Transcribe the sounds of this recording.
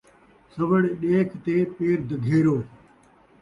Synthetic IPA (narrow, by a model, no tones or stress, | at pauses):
səʋəɽɗeːkt̪eːpeːɾd̪ʱɡʱeːɾoː